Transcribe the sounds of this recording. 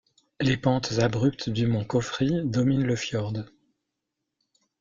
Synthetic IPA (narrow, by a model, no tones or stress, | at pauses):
lepɑ̃t̪zabʁyp̚t̪d̪ymɔ̃kɔfχid̪ɔminləfjɔʁd̪